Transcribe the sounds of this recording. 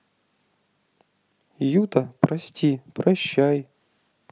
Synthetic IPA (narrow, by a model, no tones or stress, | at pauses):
jut̪ɐpɾɐsʲtʲipɾɐɕːaj